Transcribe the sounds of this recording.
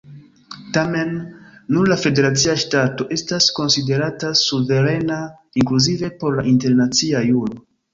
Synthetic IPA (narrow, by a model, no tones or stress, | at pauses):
tamenːuɾlafe̞de̞ɾat͡siaʃtato̞ʔe̞stasko̞nside̞ɾatasuve̞ɾe̞na | iŋkluzive̞po̞ɾlaʔinte̞ɾnat͡siajuɾo